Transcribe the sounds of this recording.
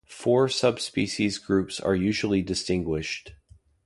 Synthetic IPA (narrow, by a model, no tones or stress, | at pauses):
fɔɹsʌb̥spiʃizɡɹʉpsə̰˞jʉʒl̩ˠidɨstɪ̃ŋɡwɪʃt